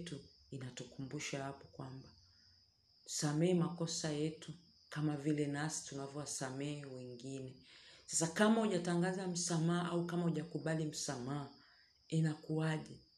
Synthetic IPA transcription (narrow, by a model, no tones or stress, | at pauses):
tu | inatukumbuʃahapɔkwamba | u̥samɛːmakɔsajɛtu | kamavilɛnasi̥tunavjɔwasamɛɛwɛŋɡinɛsḁsakamauʄataŋɡazam̩samaːʔaukamauʄakuɓalim̩samaː | ɛnakuaʄɛ